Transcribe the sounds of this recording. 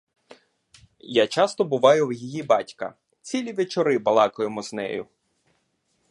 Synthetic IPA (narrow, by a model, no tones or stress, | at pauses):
jat͡ʃɑst̪ɔbʊʋɑjʊwjijibɑtʲkɐ̰ | t͡sʲilʲiʋet͡ʃɔɾɪbɐlˠɑkɔjemɔznɛ̰jʊ̰